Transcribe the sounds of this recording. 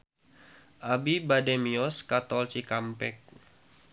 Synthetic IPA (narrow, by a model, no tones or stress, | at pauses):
ʔabibadɛmiɔskat̪ɔlt͡ʃikampɛk̚